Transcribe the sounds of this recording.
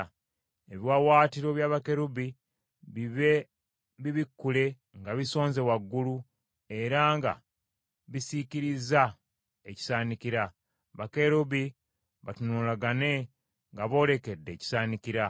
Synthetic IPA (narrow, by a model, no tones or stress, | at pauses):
eβiwawaːtiɾo̞βjaːβake̞ɾuβi | βiβe | βiβikːule̞ | ŋɡaβiso̞ːnze̞waɡːulu | e̞ɾaŋɡa̰ | βisiciɾiza | eci̥saːnikiɾa | βake̞ɾuβi | βatunulaɡane̞ | ŋɡaβo̞ːle̞ke̞dːe̞ːci̥saːniciɾa